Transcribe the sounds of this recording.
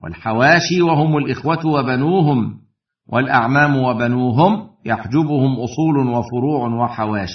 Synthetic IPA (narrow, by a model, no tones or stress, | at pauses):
wa̰lħawaːʃiːwahʊmʊlʔɪxwat̪wabanuːɦʊm | wʔalʔaʕmaːmʊwabanuːɦʊmjaħd͡ʒʊbʊhʊmʔʊsˤuːlwafʊɾuːʕwaħawaːʃi̥